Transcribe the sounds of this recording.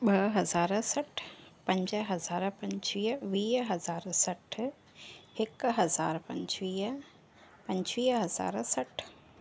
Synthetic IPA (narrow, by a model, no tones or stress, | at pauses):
ɓɐɦɐzaːɾsɐʈʰpɐ̃ɲd͡ʒəɦɐzaːɾpɐ̃ɲt͡ʃiːʋiːɦɐzaːɾsɐʈʰ | ɪkɦɐzaːɾpɐ̃ɲt͡ʃʋiː | pɐ̃ɲt͡ʃʋiːɦɐza̰ːɾsɐʈʰ